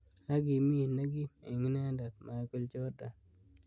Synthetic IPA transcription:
a˦ɡi˨mi˦˨na˦ɡi˦˨ɪ̰˨ŋ˦nɛ˦nda˨t̪̚ma˨˦ko˦lt͡ʃo˦da˨

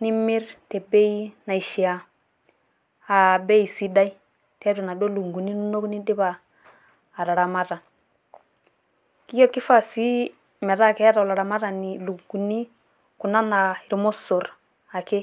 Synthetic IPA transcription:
ni˦mi˦ɾte˨be˦i˦na˨i˨ʃi˨a˨ | a˨be˦i˨si˦da˦i˦ | te˦a˦ɾu˨na˨do˦lu˨ŋɡu˨ni˦nu˦no˦kni˦di˦baː˨ | ɾa˨ɾa˨ma˦ɾa˨ | ki˦jo˦kːi˦fa˦˨si˦ | mɛ˨ɾa˦˨ke˦a˦ɾa˨wla˨ɾa˨ma˦ɾa˨ni˨lu˨ŋɡu˨ni˦ | ku˨na˦na˨i˨ɾmo˦so˨ɾ | a˨ke˦

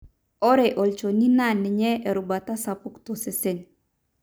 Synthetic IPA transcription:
ɔ˦ɾɛ˨ʔɔ˨lt͡ʃo˨ni˦na˦˨nɪ˨ɲɛ˦ʔɛ˨ɾu˨ba˨ta˦sa˨pʊ˨kto˨sɛ˨sɛ˨n

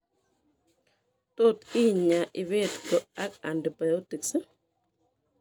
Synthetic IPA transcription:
to˦t̪i˦ɲa˨ʔɪ˨βe˦tɡo˨a˦ka˨ndba˨jo˦ti˨ks

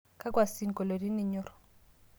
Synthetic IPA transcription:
ka˦kwa˨si˦n˨ko˨lo˨ɾi˦ni˦˨ɲɔ˦ɾɔ˨

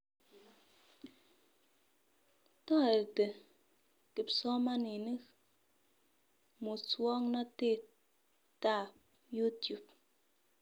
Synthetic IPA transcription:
tɔ˦˨e˨ɾte˨ | ki˨psɔ˦ma˦ni˨ni˦k | mo˨t͡swɔ˦ŋnɔ˦te˦˨ | ta˦˨p | ju˦tju˨p̚

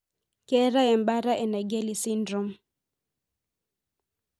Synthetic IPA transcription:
kɛ˦ɾa˦ɛ˨mba˦ɾa˦ʔɛ˨na˨ɡɛ˦li˨si˦ndɾɔ˦m

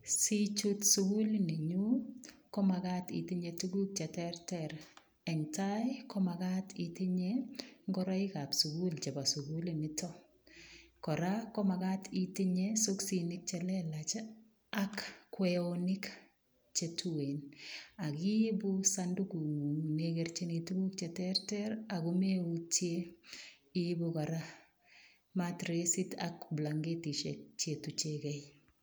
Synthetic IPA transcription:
si˦t͡ʃu˦tsu˧ɡu˦lni˨ɲu˦kɔ˦ma˨katḭ˨ti˦ɲe˨tu˦ɡu˦k̚t͡ʃɛ˨tɛ˦rtɛɾ | ɛ˨ŋtajkɔ˦ma˨ka˦tʰiti˦ɲeŋɡɔ˦ɾɔ˦i˦ka˨psu˨ɡu˦lt͡ʃe˨ba˨su˨ɡu˦lini˦tɔ˦ | kɔ˨ɾa˦kɔ˦ma˨ka˦tʰi˨ti˦ɲe˦su˦ksi˨nɪ˦k̚t͡ʃɛ˨lɛ˦la˨t͡ʃ | akːwɛonɪk | t͡ʃetʰuwena˨ki˦busandukuneɡɛrt͡ʃenitubu˦kt͡ʃɛtɛrtɛɾakumeutje | ibukaɾa | matɾesi˦ta̰kblaŋɡeti˨ʃek̚t͡ʃetut͡ʃekɛj

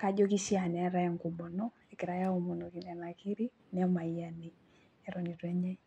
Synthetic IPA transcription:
ka˦d͡ʒo˦ki˦si˦a˨n˨ɛ˨˦ɾɛ˦ŋku˨bɔ˨nɔ˦ | ɛ˨kɪ˨ɾa˨ja˦o˨mo˨no˨ki˨nɛ˨na˨ki˦ɾi˦ | nɛ˦ma˨ia˨ni˨ | ɛ˨ɾɔ˨ɲi˨twɛ˦ɲɛ˦

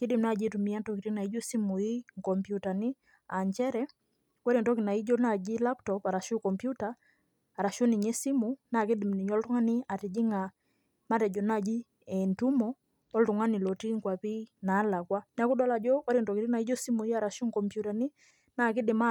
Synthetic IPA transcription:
ki˦di˨m̩na˦d͡ʒi˦tu˨mi˦a˦ntɔ˦ki˨ti˦na˨i˦d͡ʒɔ˦si˦mu˨i˦ŋkɔ˨mpju˨ta˨ni˦ | a˨ɲt͡ʃɛ˦ɾɛ˦ | kwa˦ɾi˨ntɔ˦ki˨na˨i˦d͡ʒɔ˦na˨d͡ʒi˦la˦ptɔpa˨ɾa˨ʃu˦kɔ˨mpju˦taː˨ | ɾa˨ʃɔ˦ni˨ɲɛ˦si˦mu˨na˨ki˦di˨m˨ni˨ɲɔ˦ltu˦ŋa˦ni˦a˨tɛ˨d͡ʒi˦ŋa˨ | ma˦tɛ˨d͡ʒɔ˨na˦˨d͡ʒi˦ | ɛ˨ntu˦mɔ˨ | ɔ˦ltu˨ŋa˦ni˨lɔ˨ti˦ŋ˨kwa˨pi˦naː˨˦la˨kwa˦n˦a˦ku˦dɔ˦la˨d͡ʒɔ˦kwa˦ɾi˦˨ntɔ˨ki˨ɾi˦na˨i˦d͡ʒɔ˦si˦mu˨i˦a˨ɾa˨ʃu˦ŋkɔ˨mpju˨ta˨ni˦ | na˨ki˦di˨ma˦

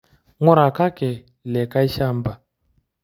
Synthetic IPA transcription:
ŋo˦ɾa˨ka˦kɛ˨ | lɛ˨ka˦i˦ʃa˦˨mba˨

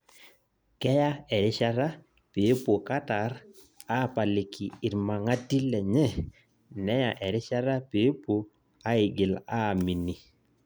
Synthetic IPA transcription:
kɛ˦ja˦ɛ˨ɾɪ˦ʃa˦ɾa˦ | pe˨˦po˨ka˦ta˨ɾ | a˦˨pa˨lɪ˨kʰɪ˨ɪ˨ɾma˨ŋa˦ti˦lɛ˨ɲɛ˦ | nɛ˦ja˨ʔɛ˨ɾɪ˦ʃa˦ɾa˦pe˨˦po˨ | a˦ɪ˨ɡɪ˨la˦˨mi˨ni˨

